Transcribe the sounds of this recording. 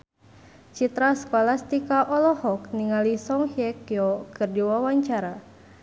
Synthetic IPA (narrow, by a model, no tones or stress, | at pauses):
t͡ʃit̪ɾaskɔlast̪ikaʔɔlɔhɔkniŋalisɔŋhjɛkjɔkɨrdiwawaɲt͡ʃaɾa